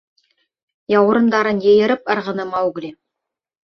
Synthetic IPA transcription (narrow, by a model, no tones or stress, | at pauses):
jɑw̆ɾɤ̆nd̪ɑɾɤnjɘ̆jɘ̆ɾɘp̚ɤ̆ɾʁɤ̆nɤmɑwɡlʲi